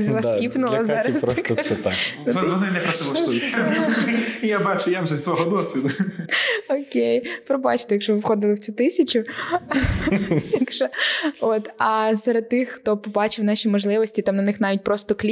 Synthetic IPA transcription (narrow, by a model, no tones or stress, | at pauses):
zʲlˠaskʲipnʊlɐzɑɾɐspɾɔsɔsɛt̪a̰k̪ɔʋɔnɪnɛpɾɐt̪sɛlˠɐʃujɪtʲ | jabat͡ʃʊjawʒɛzʲsʋɔɦɔd̪ɔsʲʋʲid̪ʊ | ɔkʲejpɾɔbɑ̰t͡ʃt̪ejɐkʃɔʋɪʋxɔd̪ɪlˠɪwt͡sʲut̪ɪsʲɐt͡ʃʊ | jɐkʃɔot̪ɐsɐɾɐd̪̚t̪ɪxxt̪ɔpɔbɑt͡ʃɪwnɑʃʲimɔʒlˠɪʋɔsʲtʲit̪ɑmnɐnɪxnɑʋʲit̚ʲpɾɔst̪ɔklʲ